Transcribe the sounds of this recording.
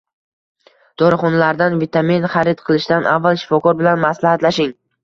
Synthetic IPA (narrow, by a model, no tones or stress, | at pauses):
d̪̥ɒɾɪχɒnalaɾd̪anvit̪ʰaminχaɾɪd̪̚qʰɨlˠɪʃd̪anʔavːalˠʃɪ̥fɒkʰɒɾbɪlanmaslahat̪laʃɪŋ